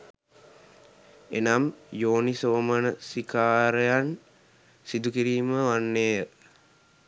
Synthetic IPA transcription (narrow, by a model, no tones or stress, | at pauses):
enamjoːnisoːmənəsikaːɾejan | sid̪ukiɾiːməʋanːeːjə